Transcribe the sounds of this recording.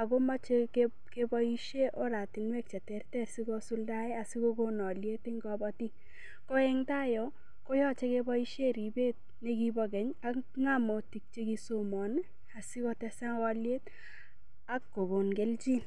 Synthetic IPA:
a˨ɡo˦ma˦t͡ʃek | ke˦bɔ˦i˦ʃe˦ʔo˦ɾa˨ti˨nwɛ˦k̚t͡ʃa˨tɛ˦rtɛ˦si˦ɡɔ˦su˦lda˦ɪ˦a˨si˦ko˦ɡonɔ˨lje˦ti˦ŋɡɔbɔ˦ti˦ | kɔ˦ɛ˦ŋta˦jɔ˦ | ko˦jɔ˦t͡ʃe˦ke˦bɔ˦i˦ʃe˦ɾi˨be˦t̚ | ne˦ɡi˦bɔɡɛ˨ɲa˦kŋa˦mo˨ti˨k̚t͡ʃe˦ɡi˦somɔ˨n | a˨si˦kɔ˦tɛ˦sa˦ŋɡɔ˦lje˦t | a˦kːo˨ɡo˨nɡe˦ld͡ʒi˦n

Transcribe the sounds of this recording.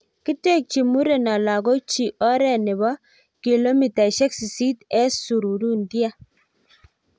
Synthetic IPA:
ki˦te˦˨k̚t͡ʃi˨mu˦ɾe˨na˨la˨ɡo˦t͡ʃi˨ʔɔ˦ɾɛ˦˨nɪ˨βɔ˦ | ki˨lo˦mi˨ta˨ʃɛ˦ksi˨si˦tɛ˦su˨ɾu˨ɾu˦ndi˦a˦

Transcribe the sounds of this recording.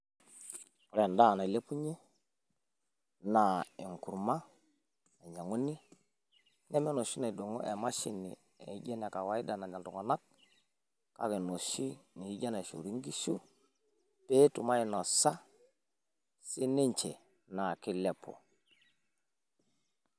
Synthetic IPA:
pu˨ɾɛ˨nda˦˨na˨i˨le˦pu˦ɲe˦ | na˨e˨ŋku˨ɾma˦ | na˨ɲa˨ŋu˦ni˦ | nʔɛ˦mɛ˦no˨ʃi˦na˨i˨do˨ŋo˦ʔe˨ma˦ʃi˦nḭ˨ | ḛ˨˦ɟe˦na˨ka˨wa˨˦i˦da˨na˨ɲa˨ndu˨ŋo˨na˦k̚ | ka̰˨˦ke˨no˨ʃi˦ni˨i˦ɟa˦na˨ʃṵ˨ɾi˦ŋɡi˦ʃu˦ | pe˦tu˨ma˦i˨no˨sa˦ | si˦ne˦ɲt͡ʃe˨ | na˨ki˦le˦˨pʰo̰˨

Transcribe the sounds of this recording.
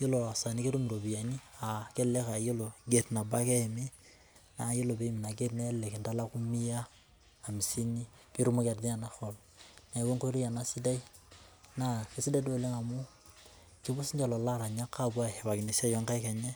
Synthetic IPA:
je˦lo˨a˨sa˨ni˦ke˦ɾo˦mi˨ɾo˨bi˨ja˨ni˦a˨ke˦le˦ka˨je˦lo˨ɡe˨tna˨ba˦kɛ˦˨mi˦ | na˨˦je˦lo˨be˦mi˨na˨ɡe˦tnɛ˦lːe˨ke˨nda˦la˦ku˦mi˦jaː˦˨ | mi˨si˦ni˦ | ki˦ɾu˦mo˦ka˨ɾdi˦a˨na˦xo˨l | na˨we˦ŋko˦ɾi˦ja˨na˦si˦da˦i˦ | na˨ke˨si˦da˦do˦˨le˦ŋa˨mu˦ | ki˦bu˦si˦nd͡ʒa˨lo˨la˦ɾa˨ɲa˦kːa˦bwa˦he˨βa˨kɪ˨ne˨sa˦jɔ˦ŋka˦ika˨ɲe˦

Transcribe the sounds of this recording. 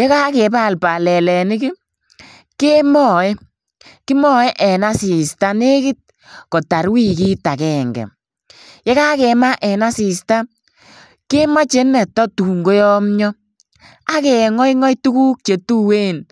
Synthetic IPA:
je˦ka˦kɛ˨ba˦˨lpa˨lɛ˨lɛ˨nɪ˦kɪ˦ | ke˦mɔ˦˨e˦ | kɪ˦mɔ˦e˦ʔɛ˨na˦si˨sta˦ne˦kɪ˦t̚ | kɔ˨ta˨ɾwi˦ki˦ta˨kɛː˨ŋɡɛ̰˨ | je˦ka˦kɛ˨ma˦ʔɛ˨na˦si˨sta˦ | ke˦ma˦t͡ʃe˦nɛ˨tɔ˦tu˨ŋɡo˦jɔ˦mɲɔ˦ | a˦kɛ˨ŋɔ˦jŋɔ˦jtu˦kuː˦k̚t͡ʃe˨tu˦we˦n

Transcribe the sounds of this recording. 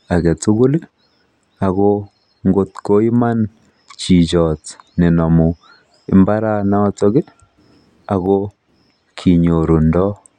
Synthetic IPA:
a˨ɡɛ˨tu˦ɡu˦li˦ | a˨ɣo | ŋɡo˨tko˦i˦ma˦n | t͡ʃi˨d͡ʒɔ˨tne˨nɔ˨mu˨ | i˨˦mba˦ɾa˦na˦wa˦t͡sɔ˦ɡi˦ | a˨ɣo˦ | kʰi˨ɲo˨ɾu˨ndɔ˦

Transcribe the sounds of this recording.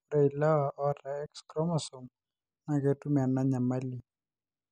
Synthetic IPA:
ɾa˨i˨la˦wa˨ʔɔ˦ta˨ɛ˦kskɾɔ˦mɔ˨sɔ˨m | na˨ke˨tu˦m˨a˨na˦ɲa˨ma˦li˨

